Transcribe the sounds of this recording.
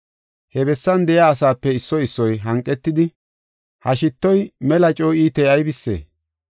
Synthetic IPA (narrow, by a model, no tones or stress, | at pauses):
hɛbɛsːɐnd̪ɛjaːsaːpːɛɪsːɔɪsːɔjɦɐŋkʼːɛt̪ːɪd̪ɪ | hɐʃɪt̪ːɔjmɛlɐt͡ʃʼɔːiːt̪ɛjɐjbɪsːḛː